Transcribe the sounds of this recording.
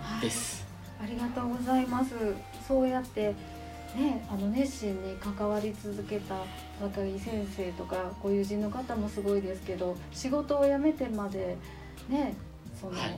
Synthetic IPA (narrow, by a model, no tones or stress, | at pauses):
haes | aɾʲiɡat̪o̞ːɡo̞zaimasɨ | so̞ːjat̪ːe̞ | ne̞ano̞ne̞ɕĩɲ̟ːikakaβaɾʲit͡sɨzɨke̞t̪a | βakaisẽ̞ɰ̃se̞ːt̪o̞kaɡ̥o̞jɯ̟ːʑĩnːo̞kat̪amo̞sɨɡo̞id̪e̞sɨ̥ke̞d̪o̞ | ɕiɡo̞t̪o̞ːjame̞t̪e̞mad̪e̞ | ne̞ | so̞no